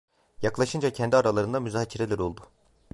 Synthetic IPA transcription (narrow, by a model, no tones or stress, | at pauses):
jaklˠaʃɯnd͡ʒacʰɛnd̪iaɾalˠaɾɯnd̪amyzaːcʰiɾelʲæɾo̞lˠd̪ʊ̥